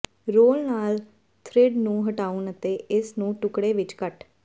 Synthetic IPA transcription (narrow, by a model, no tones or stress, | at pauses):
ɾoːlnaːl | t̪ʰɾɪɖnũːɦəʈaːʊnət̪eːɪsnũːʈʊkɽeːʋɪt͡ʃkəʈ